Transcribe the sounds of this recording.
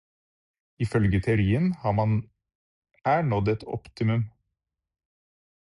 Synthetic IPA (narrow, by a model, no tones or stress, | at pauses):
ɪfœlɡət̪ʰeʊɾiːənhɑːmɑn | æːɳɔd̪ɛt̪ʰɔ̰pt̪ɪmʉm